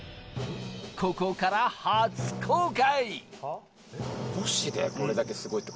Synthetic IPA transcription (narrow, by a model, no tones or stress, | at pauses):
kʰo̞ko̞kaɾahaːt͡sɨ̥kʰoːkai | boɕid̪ḛko̞ɾe̞d̪ake̞sɨɡo̞it̪ːe